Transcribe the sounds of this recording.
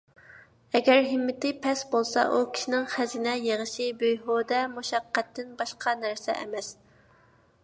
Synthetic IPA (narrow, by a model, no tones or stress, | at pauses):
ɛɡʲɛɾɦɪmːɪt̪ɪpʰɛsbolˠsɑ̰ʔukʲʰi̥ʃinɪŋχæzɪnɛjeʁəʃibøjɦoːd̪ɛmuʃɑqːɛt̪ʰːɪnbɑʃqʰɑnæɾsɛ̰ʔɛ̰mɛs